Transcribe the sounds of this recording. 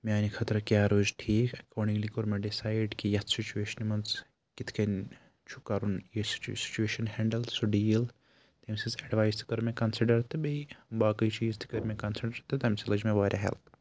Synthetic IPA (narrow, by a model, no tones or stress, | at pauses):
maːnikʰɐt̪ɾɐkjaːɾoːd͡ʒʈʰiːkɐkoːɖĩŋlikoɾmeɖisaːjɖkijɐt̪ʰsit͡ʃueːʃɐnmɐnz | kit̪ʰkɐn | t͡ʃʰu̥kɐɾunjessi̥t͡ʃueːʃɐnhɛɳɖɐlsuɖiːl | t̪emsizɐɖʋaːjst̪ʰi̥kɐɾmẽkɐnsiɖɐɾt̪ɨbeibaːkɐjt͡ʃiːzt̪ʰi̥kɐɾmẽkɐnsiɖɐɾt̪ɨt̪ɐmsilɐd͡ʒmẽʋaːɾʲʔa̰ɦɛ̰lt̪ʰ